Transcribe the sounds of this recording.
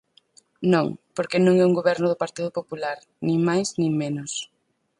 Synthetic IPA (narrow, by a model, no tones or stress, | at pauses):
nõŋpoɾkenõŋɛuŋɡoβɛɾnʊðʊpaɾt̪iðʊpopulaɾ | nĩŋmajsnĩŋmenʊs